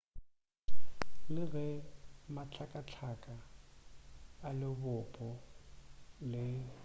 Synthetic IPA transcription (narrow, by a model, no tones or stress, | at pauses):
lɪɣɛmat͡ɬʰakʼat͡ɬʰakʼa | lɪbʊpʼɔ | lɪ